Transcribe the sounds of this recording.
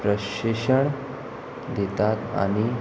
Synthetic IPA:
pɾəɕeʂəɳ | d̪et̪at̪a̰ɽ̃i

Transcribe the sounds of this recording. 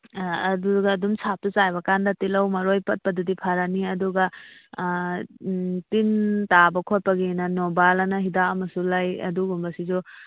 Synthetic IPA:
ɐduɡɐːdumsʰap̚tut͡ʃajbɐkandɐtilɐwmɐɾojpɐt̚pɐdudipʰaɾaniɐduɡɐ | tintabɐkʰot̚pɐɡinɐnobalɐnɐɦidaɐmɐsulajɐ̰duɡumbɐsizu

